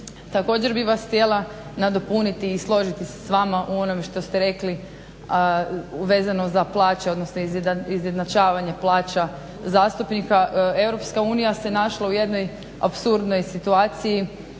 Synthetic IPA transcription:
t̪ako̞ːd͡ʑeɾbiʋasht̪ʲjelˠa | nad̪o̞punit̪iːslˠo̞ʒit̪ise̥sʋamaʔuo̞no̞meʃt̪o̞st̪eɾe̞kli | ʋe̞ːzanoszaplˠaːt͡ʃeo̞d̪nosnoizizje̞d̪nat͡ʃaːʋaɲe̞plˠaːt͡ʃa | zaːst̪upnikae̞wɾo̞pskauːnijase̞naʃlauje̞d̪no̞j | a̰psuɾd̪no̞jsit̪uaːt̪siji

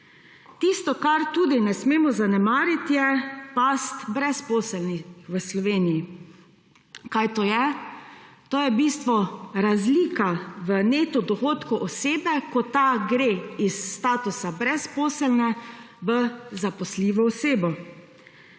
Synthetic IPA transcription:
t̪ist̪ɔkaɾt̪uːd̪inɛsmeːmɔzanɛmaːɾit̪jɛpast̪bɾɛspoːsəlnixʋəslɔʋeːniji | kajt̪oːjɛ | t̪oːjɛbiːst̪ʋɔɾazliːkaʋəneːt̪ɔd̪ɔxoːt̪kuʔɔseːbɛkɔt̪aɡɾeisːt̪aːt̪usabɾɛspoːsəlnɛ | ʋəzapɔsliːʋɔɔseːbɔ

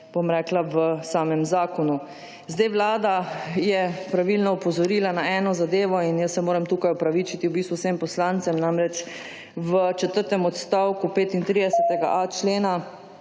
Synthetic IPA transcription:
b̥omɾɛːklaʋəsaːmɛmzaːkɔnu | zd̪ajʋlaːd̪ajɛpɾaʋilnɔɔpɔzɔɾiːlanaɛːnɔzad̪eːʋɔinjəsːɛmoːɾɛmt̪uːkajɔpɾaʋit͡ʃit̪iwbiːst̪ʋusempɔslant̪sɛmnamɾɛt͡ʃ | ʋət͡ʃɛt̪əɾt̪ɛmɔt̪st̪awkupeːt̪int̪ɾiːd̪ɛsɛt̪ɛɡa̰ʔat͡ʃleːna

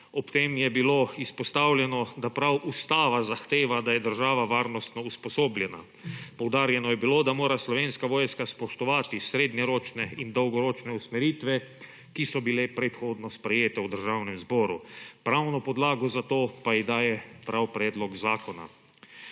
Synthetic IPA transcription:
ɔpt̪eːmjɛbiloispɔst̪awljɛnɔd̪apɾawʔust̪aːʋazaxt̪eːʋad̪ajɛd̪əɾʒaːʋaʋaːɾnɔst̪nɔuspɔsoːblʲjɛna̰ | pɔwd̪aːɾjɛnɔjɛbiloːd̪amoːɾaslɔʋenskaʋoːjskaspɔʃt̪ɔʋaːt̪isɾeːd̪nɛɾoːt͡ʃnɛind̪ɔwɡɔɾoːt͡ʃnɛusmɛɾiːt̪ʋɛ | kisɔbilɛpɾɛt̪xoːd̪nɔspɾɛjeːt̪ɛwd̪əɾʒawnɛmzbɔːɾupɾawnɔpɔd̪laːɡɔzat̪oːpajid̪aːjɛpɾawpɾɛːd̪lɔkzaːkɔna̰

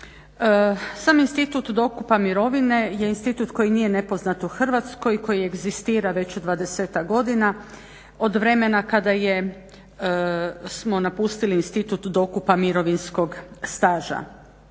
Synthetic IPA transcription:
saːminst̪it̪ut̪d̪o̞kupamiɾo̞ʋine̞je̞inst̪it̪ut̪ko̞jiniːje̞ne̞po̞znat̪uxr̩ʋat̪sko̞jko̞jie̞ɡzist̪iːɾaʋe̞t͡ɕod̪ʋad̪e̞seːt̪akɡo̞d̪ina | o̞d̪ʋɾe̞me̞nakad̪aje̞ | smo̞napust̪iliːnst̪it̪ut̪d̪o̞kupamiɾo̞ʋinsko̞ɡst̪aːʒa̰

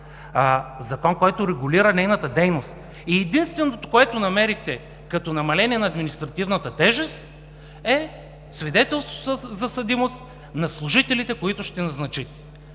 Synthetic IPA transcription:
zɐkɔnkɔjt̪ʊɾɛɡʊliɾənɛjnət̪əd̪ɛjnost̪ | iɛd̪inst̪vɛnot̪o̥koɛt̪onɐmɛɾixt̪ɛ | kɐt̪ɔnɐmɐlɛniɛnɐːd̪minist̪ɾɐt̪ivnət̪ət̪ɛʒɛst̪̚ | ɛ | svid̪ɛt̪ɛlˠst̪vo̥zɐsɐd̪imost̪ | nɐslˠʊʒit̪ɛlit̪ɛkoit̪ʊʃt̪ɛnɐznɐt͡ʃit̪ɛ̥

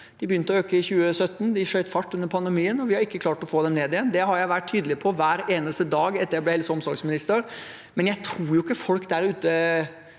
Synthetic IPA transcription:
d̪̥ɪbəjʏnt̪əɔøːkəɪçʉːəsœt̪ːn̩d̪ɪʂœʏt̪fɑʈːʉnːəɾpʰɑnd̪ɛmiːənɔʋɪhɑɾɪkːəkʰlɑːʈɔfoːd̪ɛmneːd̪ɪjɛnd̪ɛɦɑɾjæɪʋæʈ̚t̪ʰyːd̪əlɪpʰɔʋæːɾeːnəst̪əd̪ɑːɡɛt̪ːəɾjæɪblɛɛlsɔmsɔɾɡsmɪnɪst̪əɾ | mɛnjæɪt̪ʰɾuːɾjʊɪkːəfɔlkd̪æɾʉːt̪ə

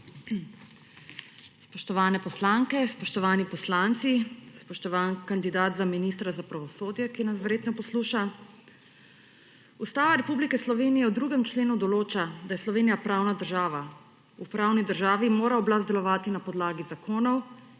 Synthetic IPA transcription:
spɔʃt̪ɔʋaːnɛpɔslaŋkɛspɔʃt̪ɔʋaːnipɔslaːnt̪sispɔʃt̪ɔʋaːnkand̪id̪aːt̪zaminist̪ɾazapɾaʋɔsoːd̪jɛkinasʋəɾjeːt̪nɔpɔsluːʃa | ust̪aːʋaɾɛpublikɛslɔʋeːnijɛwd̪ɾuːɡɛmt͡ʃleːnud̪ɔloːt͡ʃad̪ajɛslɔʋeːnijapɾawnad̪əɾʒaːʋa | upɾaːwnid̪əɾʒaːʋimoːɾaɔblazd̪ɛlɔʋaːt̪inapɔd̪laːɡizakʰoːnɔw

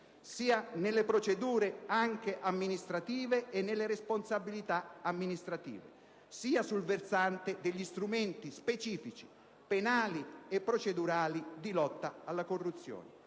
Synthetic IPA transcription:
siːanelːepɾot͡ʃed̪uːɾeaŋk̟eʔamːinist̪ɾat̪iːveenːelːeɾesponsabilit̪aamːinist̪ɾat̪ḭːvḛ | siːasulversant̪ed̪eʎːist̪ɾument̪ispet͡ʃiːfit͡ʃi̥ | penaːliepːɾot͡ʃed̪uɾaːlid̪ilɔt̪ːaalːakorːut̪sːjo̰ːne

